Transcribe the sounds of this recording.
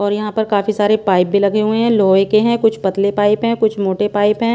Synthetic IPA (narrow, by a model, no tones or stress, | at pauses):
ɔːɾjɐɦãpɐɾkaːfisaːɾepaːɪp̚bʱilɐɡeɦʊeɦɛ̃loːekeɦɛ̃kʊt͡ʃʰpɐt̪lepaːɪpɦɛ̃ːkʊt͡ʃʰmoːʈepaːɪpɦɛ̃ː